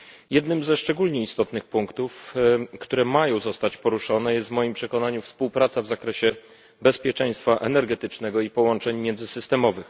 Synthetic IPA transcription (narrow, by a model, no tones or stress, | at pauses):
jɛd̪nɘmzɛʂt͡ʂɛɡulɲɛist̪ɔt̪nɘxpuŋkt̪ufkt̪uɾɛmajɔ̃w̃zɔst̪at͡ɕpɔɾuʂɔnɛjɛst̪vmɔjimpʂɛkɔnaɲufspuwpɾat̪savzakɾɛɕɛ | bɛspʲjɛt͡ʂɛj̃st̪faʔɛnɛɾɡɛt̪ɘt͡ʂnɛɡɔipɔwɔnt͡ʂɛɲmʲjɛnzɘsɘst̪ɛmɔvɘx